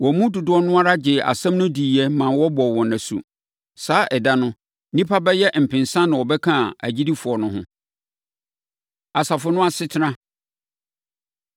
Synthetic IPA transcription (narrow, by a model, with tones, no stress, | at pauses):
wɔ˨mũ˦du˨dʊ˦ɔ˦nʊ̃˦a˦ɾa˦d͡ʑɪ˨a̰˨sã˦mnʊ̃˦di˨jɛ˦mã˨wɔ˦bɔ˨wɔ̃˨nã˨sṵ˨ | saː˦ʔɛ˨da˦nʊ̃˦ | nĩ˦pʰa˦bɛ˦jɛ˦m̩˨pʰɪ̃˨nsã˦nã˨wɔ˨bɛ˦kʰã˦˨æ̰˨d͡ʑi˦di˦fʊ˨ɔ˨nʊ̃˦ɦʊ̰̃˦ | a˨sa˨fʊ˨nʊ̃˦a˦sɪ˦tʰɪ˦ɾã˦